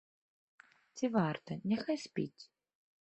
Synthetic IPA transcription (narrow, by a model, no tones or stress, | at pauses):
t͡sʲivart̪ɐnʲɛxajsʲpʲḭt͡sʲ